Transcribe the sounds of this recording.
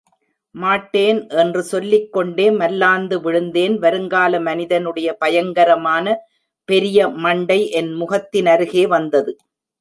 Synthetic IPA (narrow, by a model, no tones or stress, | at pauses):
maːʈːeːnʔɛndrɯsɔlːɪkːɔɳɖeːmɐlːaːnd̪ɯʋɪɻɯnd̪eːnʋɐɾɯŋɡaːlɐmɐnɪðɐnɯɽɐjɐpɐjɐŋɡɐɾɐmaːnɐ | pɛɾɪjɐmɐɳɖɐɪʔɛnmʊɣɐt̪ːɪnɐɾɯɣeːʋɐnd̪ɐðɯ